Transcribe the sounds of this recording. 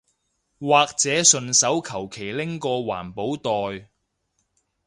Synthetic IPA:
waː˨k̚t͡sɛː˨˥sɵ˨˧nsɐ˨˥wkʰɐ˨˩wkʰe˨˩jlɪ˥ŋkɔː˧wa̰ː˨˩npo˨˥wt̪ɔː˨j

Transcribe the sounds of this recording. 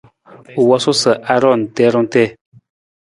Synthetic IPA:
u˨wɔ˦so˦sə˨ʔa˦ɾɔ˦˨n˨tɛ˨˦ɾɔ˦n˦tɛ˦˨

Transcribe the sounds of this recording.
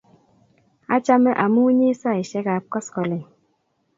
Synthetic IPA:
a̰˦t͡ʃa˦mɛ˦ʔa˨mu˦ɲi˦sa˦˨i˨ʃɛ˦ka˨p̚kɔ˦skɔ˨le˨

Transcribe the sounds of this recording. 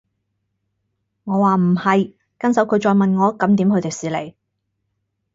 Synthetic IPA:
ŋɔː˨˧waː˨m̩˨˩hɐ˨j | kɐ˥nsɐ˨˥wkʰɵ˨˧ɥt͡ʃɔː˧jmɐ˨nŋɔː˨˧kɐ˨˥mt̪iː˨˥mkʰɵ˧jt̪e˨ksiː˨lḛ˨˩j

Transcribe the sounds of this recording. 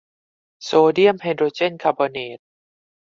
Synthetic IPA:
soː˧di˥˩əmhe˧ndɾoː˧t͡ɕe˥˨nkʰaː˧bɔː˧neː˨˩˦t̪̚

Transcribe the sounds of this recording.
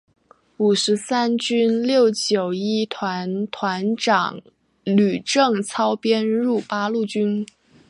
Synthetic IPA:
u˨˩ʂɻ̩˧˥sa˥nt͡ɕy˥nljo˥˩ʊt͡ɕjo˨˩ʊi˥˩t̪ʰwa˧˥nt̪ʰwa˧˥nʈ͡ʂɑ˨˩˦ŋ | ly˨˩ʈ͡ʂɤ˥˩ŋt͡sʰɑ˥ʊpjɛ˥nɻu˥˩pa˥lu˥˩t͡ɕy˥n

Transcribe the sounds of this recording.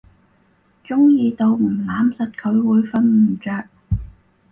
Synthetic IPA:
t͡ʃʊ˥ŋjiː˧t̪o˧wm̩˨˩laː˨˥msɐ˨t̚kʰɵ˨˧ɥwuː˨˧jfɐ˧nm̩˨˩t͡ʃœː˨˧k̚

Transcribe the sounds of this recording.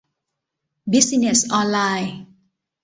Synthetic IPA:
bi˦˥si˧ne˨˩sʔɔː˧nlaː˧j

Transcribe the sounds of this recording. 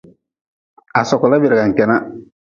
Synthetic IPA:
a˨sɔ˨kɔ˨la˦bɪ˨ɾɪ˨ɡa˨ŋ̩˨kɛ˨na˦

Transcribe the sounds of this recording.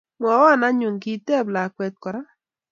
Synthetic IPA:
mɔ˨wa˦˨na˦ɲu˨ŋki˦tɛ˦˨bla˨kwɛ˨t̪̚kɔ˨ɾa˦

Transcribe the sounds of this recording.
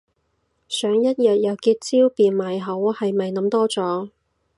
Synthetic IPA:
sœː˨˥ŋjɐ˥t̚jɐ˨t̚jɐ˨˧wkiː˧t̚t͡siː˥wpiː˨nmaː˨jɦɐ˨˥whɐ˨jmɐ˨jnɐ˨˥mt̪ɔː˥t͡sɔː˨˥

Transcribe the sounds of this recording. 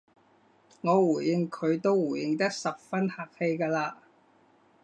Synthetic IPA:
ŋɔː˨˧wuː˨˩jjɪ˨ŋkʰɵ˨˧ɥt̪o˥wwu˨˩jɪ˨˧ŋt̪ɐ˥k̚sɐ˨p̚fɐ˥nhaː˨˩k̚he˧jkaː˧laː˧

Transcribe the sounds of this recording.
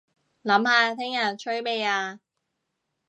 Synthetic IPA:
lɐ˨˥mhaː˧t̪ʰɪ˥ŋjɐ˨˩nt͡ʃʰɵ˥ɥme˨˧jaː˧

